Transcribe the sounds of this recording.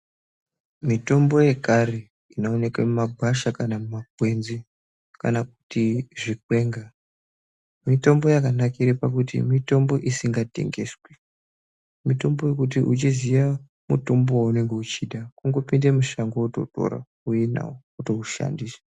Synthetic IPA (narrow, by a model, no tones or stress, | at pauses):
mito̞mbo̞je̞kare | inoone̞kamumaɡʱwaʃakanamumakwe̞nzi | ka̰nak̚u̥tiʐikwe̞ːŋɡa | mito̞mbo̞jakanakiɾepakutḭmito̞mbo̞ʔisiŋɡate̞̰ŋɡe̞̰swe | mito̞mbo̞je̞kut̬iʔut͡ʃiziʋa | muto̞mbowaune̞ŋɡe̞ut͡ʃiːɗakuŋɡo̞pindemuʃaŋɡouto̞̰to̞̰ɾa̰ | ujena̰o | uto̞uʃa̰ndiːsḁ